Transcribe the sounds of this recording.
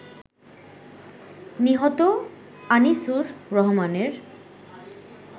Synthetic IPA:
niɦɔt̪o | anisuɾːɔɦomaneɾ

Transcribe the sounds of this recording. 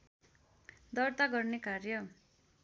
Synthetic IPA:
d̪ʌrt̪aɡʌrnekarjʌ

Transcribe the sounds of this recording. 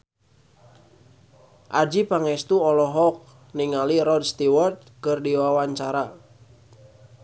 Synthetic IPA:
ʔad͡ʒipaŋɛst̪uɔlɔɦɔk̚ | niŋaliɾɔd̚st̪iwɔrt̪̚kɨrdiwawaɲt͡ʃaɾa

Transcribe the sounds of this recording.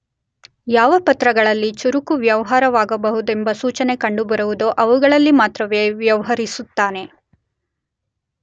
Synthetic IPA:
jaːʋɐpɐt̪ɾɐɡɐɭɐlːit͡ʃuɾukuʋjɐʋɐɦaːɾɐʋaːɡɐbɐɦud̪e̞mbɐsuːt͡ʃɐne̞kɐɳɖubɐɾuʋud̪oʔɐʋuɡɐɭɐlːimaːt̪ɾɐʋeːʋjɐʋɐɦɐɾisut̪ːaːne̞

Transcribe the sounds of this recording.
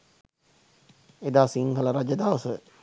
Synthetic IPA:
ed̪aːsiŋɦələɾad͡ʒəd̪aʋəsə

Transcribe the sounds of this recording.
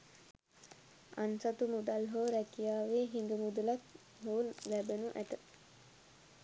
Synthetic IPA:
ansat̪umud̪alɦoːɾækijaːʋeːɦiŋɡ̪əmud̪ulak̪ | ɦoːlæbenuʔæt̪ə

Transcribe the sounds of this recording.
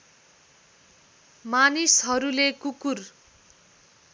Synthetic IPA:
manisɦʌɾulekukur

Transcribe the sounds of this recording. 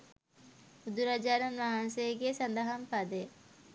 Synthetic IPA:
ud̪uɾad͡ʒaːnɐnʋaɦansejɡesand̪əɦampad̪e

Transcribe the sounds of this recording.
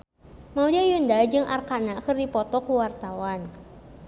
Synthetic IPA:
maudiajundad͡ʒɨŋʔa̰rkanakɨrdipɔt̪ɔkuwart̪awan

